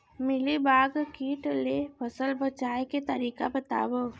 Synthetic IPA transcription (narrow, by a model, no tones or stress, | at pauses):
mɪlibaːɡkiːʈlepʰəsəlbət͡ʃaːeket̪əɾiːkabət̪a̰ːbo